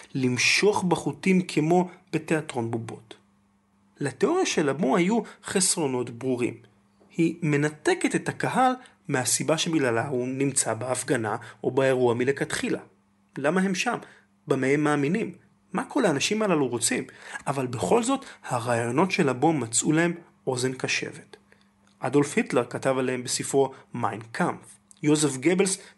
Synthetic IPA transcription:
limʃo̞χbaχutimkʰemo̞b̥e̞te̞atʁo̞nbubo̞t | leteo̞ʁjaʃe̞labohajuχesʁo̞no̞tbʁuʁḭm | hime̞nate̞kete̞thakaɦal | mehasibaʃebiɡlalaunimt͡sabeafɡana̰o̞beeʁuamilekat̪χila̰ | lamaɦe̞mʃam | bameemːaːminimː | akʰo̞laːnaʃimalaluʁo̞t͡simʔavalbe̞χo̞lzo̞thaʁaːjo̞no̞tʃelabo̞mːat͡sʔulahe̞m | o̞ze̞nkaʃe̞̰ve̞t | ʔado̞lfhitleʁkatavalehembesifʁomajnkʰamf | jo̞zefɡebels

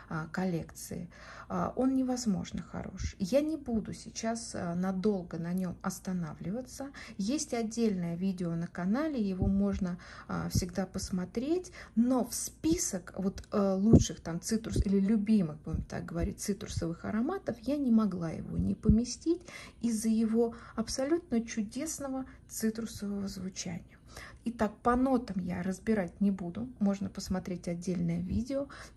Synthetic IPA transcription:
kɐlʲe̞kt̪sɨ̰ɪ̰ | ʔo̞nnʲɪvɐzmo̞̰ʐnəxɐ̰ɾo̞̰ʂjanʲɪbud̪ʊsʲɪt͡ɕasnɐd̪o̞lˠɡənɐnʲo̞mɐst̪ɐnavlʲɪvət̪səjesʲtʲɐdʲːelʲnəjəvʲidʲɪonəkɐnalʲɪjɪvo̞mo̞ʐnəfsʲɪɡd̪apəsmɐt̪ɾʲetʲno̞fspʲisəkvo̞t̪lˠutʂɨxt̪amt̪sɨt̪ɾʊsilʲɪlʲʊbʲimɨxbumt̪a̰ɡ̚ɡəvɐɾʲḭt̚ʲt̪sɨt̪ɾʊsəvɨxɐ̰ɾɐmat̪əfjanʲɪmɐɡlˠajɪ̰vo̞̰nʲɪpəmʲɪsʲtʲitʲizːəjɪvo̞ɐpsɐlʲut̪̚nət͡ɕʊdʲe̞snəvət̪sɨt̪ɾʊsəvəvəzvʊt͡ɕæ̰nʲɪjəɪt̪ak̚pɐno̞t̪əmjaɾəzbʲɪɾat̚ʲnʲɪbud̪ʊmo̞ʐnəpəsmɐt̪ɾʲetʲɐdʲːelʲnəjəvʲidʲɪo

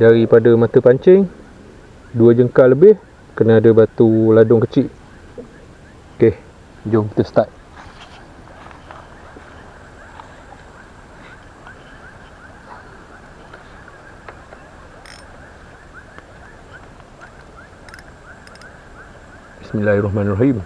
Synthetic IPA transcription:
daɾipadəmat̪əpaɲt͡ʃɛŋ | duəd͡ʒəŋkaləbɪh | kənəadəbat̪uladʊŋkət͡ʃiʔ | kɛh | d͡ʒɔŋt̪əst̪aʔ̪̚ | bismilahrɔɦmanrɔɦim

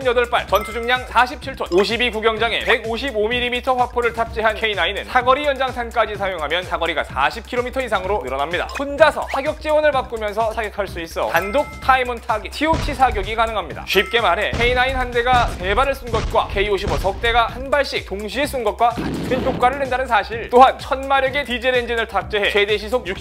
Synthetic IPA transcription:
njʌdʌɭp͈aɭt͡ɕʌntʰud͡ʑuŋɲaŋsʰaɕʰip̚t͡ɕʰiɭtʰonoɕ̬ʰibikuɡjʌŋd͡ʑaŋe̞̰pe̞ɡoɕ̬ʰibomilːimitʰʌɸwapʰoɾɯɭtʰap̚t͡ɕ͈iɦankʰe̞inainɯ̰nsʰaɡʌɾijʌnd͡ʑaŋsʰank͈ad͡ʑisʰajoŋɦamjʌnsʰaɡʌɾiɡa̰sʰa̰ɕʰip̚kʰiɾomitʰʌisʰaŋɯɾonɯɾʌnamɲida̰ond͡ʑasʰʌ̰sʰaɡjʌk̚t͡ɕ͈ewʌnɯɭpak̚k͈umjʌnsʰʌsʰaɡʌkʰaɭs͈uis͈ʌj̰andok̚tʰaimuntʰaɡitʰiot͡ɕʰisʰaɡjoɡikanɯŋɦamɲida̰ɕɥip̚k͈e̞maɾe̞kʰe̞inainhande̞ɡate̞baɾɯɭs͈unɡʌt̚k͈wa̰kʰe̞ioɕʰibʌsʰʌk̚t͈e̞ɡahanbaɭɕ͈ik̚toŋɕ̬ʰie̞s͈unɡʌt̚k͈wakankʰintʰok̚k͈waɾɯɭwe̞ndanɯnsʰaɕʰiɭt͈oɦant͡ɕʰʌnmaɾjʌɡe̞tid͡ʑeɾend͡ʑinɯɭtʰap̚t͡ɕ͈eɦe̞t͡ɕe̞de̞ɕʰisʰokjuk

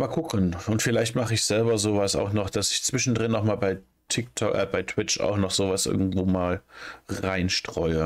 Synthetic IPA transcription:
maːlɡʊkʰənʊntfɪlaɪçtmaχəɪçz̥ɛlbɐzoːvasa̰ʊxnɔχd̥asɪçt͡sv̥ɪʃn̩dʁɪnːɔxmaːlbaɪ | tʰɪk̚tʰɔkʔbaɪtʰw̥ɪt͡ʃa̰ʊxnɔχz̥oːvasʔɪ̰ɐɡŋ̩tv̥oːmaːlʁaɪnʃtʁ̥ɔʏə

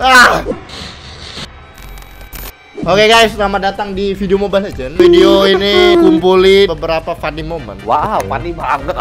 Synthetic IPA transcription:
ah | okekajsnamadat̪aŋdifideomobalad͡ʒənfideoinikumpulibəbəɾapafadimomə̰nwafadibaŋət̪

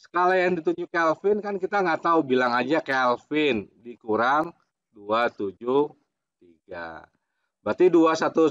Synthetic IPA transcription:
sə̥kalajaŋdit̪uɲd͡ʒukɛlfɪnkankit̪aŋɡat̪aubilaŋad͡ʒakɛlfɪndikuɾaŋ | duat̪ud͡ʒu | t̪iɡa̰ | bat̪iduasat̪u

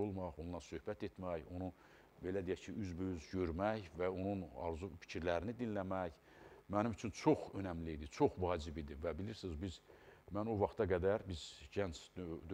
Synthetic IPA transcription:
olˠmɑʁonlˠɑɾsø̞hbæt̪e̞t̪mæjo̞nu | be̞læd̪ijæcʰiyzbøyzɟø̞ɾmæjvæo̞nunɑ̰ɾzufi̥cʰiɾlæɾinid̪inlæmæj | mænimyt͡ʃʰynt͡ʃʰo̞χø̞næmlid̪it͡ʃʰo̞χvɑːd͡ʒibid̪ivæbiliɾsizbizmænovɑχt̪ʰɑɡæd̪æɾbizɟænt͡ʃ̪ʰd̪

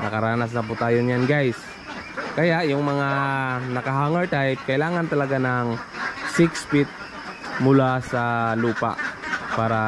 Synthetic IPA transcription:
nɐkɐɾaːnas̬nɐp̬ʊt̪aːjoɲjanɡajs | kɐjaʔjʊŋmɐŋanɐkɐɦaːŋɛɹt̪ajp̚kɐʔɪlaːŋant̪ɐlɐɡanaŋsɪkspɪt̪̚ | mʊlasɐluːpa̰ʔpaːɾa

